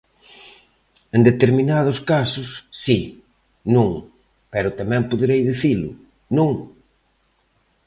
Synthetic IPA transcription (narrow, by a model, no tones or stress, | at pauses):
ẽnd̪et̪eɾminað̞ʊskasʊsːi | nũŋ | pɛɾʊt̪amɛ̃mpoðeɾejðiθilʊ | nũŋ